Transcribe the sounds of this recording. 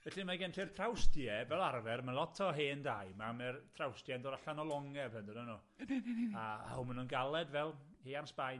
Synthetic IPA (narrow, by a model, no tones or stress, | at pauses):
vɛɬimaɡɛntʰir̥tʰrawstjɛvɛlˠarvɛrmalˠɔtʰɔɦeːndajmamɛrtʰrawstjɛndoːɾaɬanɔlˠɔŋɛbɛndənɔnu | aa̰hʊmənunɡalˠɛdvɛlˠhiansb̥aj